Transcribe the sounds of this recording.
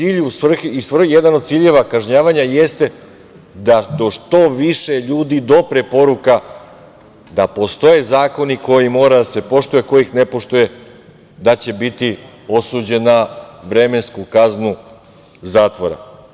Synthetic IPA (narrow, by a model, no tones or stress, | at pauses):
iːʎusʋr̩xeisʋr̩jed̪ano̞d̪t̪siːʎe̞ʋakaʒɲaːʋaɲajest̪e̞ | d̪ad̪o̞ʃt̪o̞ʋiʃe̞ʎuːd̪id̪o̞pɾepo̞ɾuka | d̪apo̞st̪o̞je̞zaːko̞niko̞jimo̞ːɾad̪ase̞po̞ʃt̪uje̞ko̞jixne̞po̞ʃt̪uje̞ | d̪at͡ɕe̞bit̪i | o̞suːd͡ʑe̞nːaʋɾe̞me̞nskukaznu | zaːt̪ʋoɾa̰